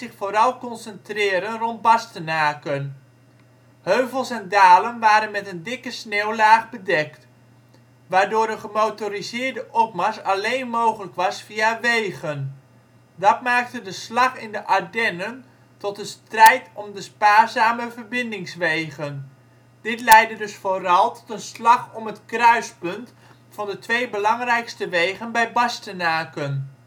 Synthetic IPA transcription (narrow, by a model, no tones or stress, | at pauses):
zɪχfoːɾɑlˠkɔnsəntrɪːɾənrɔnd̚bɑstənaːkən | høɥvəlˠsɛndaːlənʋaːɾənmɛtəndɪkəsneːwlaːχbədɛkt | ʋaːɹdʊːɾənχəmowtorizɪːɹdəʔɔp̚maɹsɑlejnmowχələkʋɑsfiaʋejɣən | dɑtmaːk̚tədəslɑχɪndəʔadɛnən | tɔtəstrɛjtɔmdəspaːɹzaːməvərbɪndɪŋsʋejɣən | d̥ɪtlɛjdədɵsfoːrɑlˠtʰɔ̥tənslɑχɔmətkrœɥspɵnt | fɑndətʋejbəlɑŋrɛjkstəʋejχənbɛjbɑstənaːkən